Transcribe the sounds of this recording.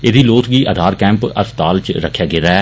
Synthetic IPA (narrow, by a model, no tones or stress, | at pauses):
eːd̪iːloːt̪ʰɡiːəd̪ʱaːɾkɛ̃ːmpə̰st̪aːlt͡ʃɾəkʰːjaːɡeːɾaːɛː